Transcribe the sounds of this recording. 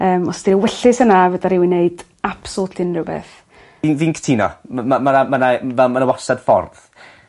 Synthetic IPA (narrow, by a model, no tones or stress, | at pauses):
əːmɔsd̥iɾəwɛɬɪsənavədaɾɪwineɨd̥ | apsɔtʰɪnrɪwbḛːθ | invinkʰə̥tʰiːnɔ̰mamanamanavɛlˠmanawɔsad̥fɔ̰rð